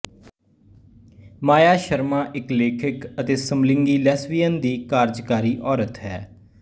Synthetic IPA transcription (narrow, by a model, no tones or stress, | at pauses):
maːjaːʃəɾmãːʔɪkleːkʰɪkət̪eːsəmlɪŋɡiːlɛːsʋijənd̪iːkaːɾd͡ʒkaːɾiːʔɔːɾət̪ɦɛː